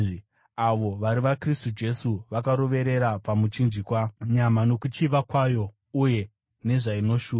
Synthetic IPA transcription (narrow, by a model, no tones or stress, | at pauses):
aʋo̞ʋaɾiʋakristud͡ʒe̞suʋakaɾo̞ʋe̞ɾe̞ɾapamut͡ʃind͡ʒikwaɲamano̞kut͡ʃiʋakwajo̞ | uje̞ | ne̞ʐaino̞ʃuːa